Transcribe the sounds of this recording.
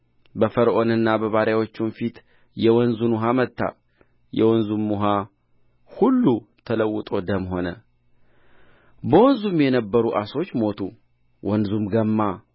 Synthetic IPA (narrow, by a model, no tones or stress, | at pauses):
bəfəɾʔo̞nɨnːabəβaɾjawo̞t͡ʃːumfit̪ | jɛwɔnzunuɦamət̪ʰːa̰ | jɛ̰wɔnzumːuɦa | hulːut̪ʰələwːʊt̪ʼo̞d̪əmɦo̞nə̰ | bəwɔnzumjɛnəbːəɾuʔaso̞t͡ʃːmo̞t̪ʰu | wʔɔnzumɡəmːa